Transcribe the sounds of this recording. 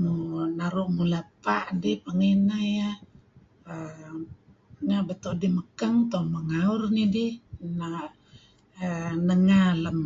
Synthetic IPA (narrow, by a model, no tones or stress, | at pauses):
munaɾuʔmulapaʔdipaŋinaja | nabət̪ɔʔdiməkaŋt̪ɔməŋaurnidina | nəŋaləm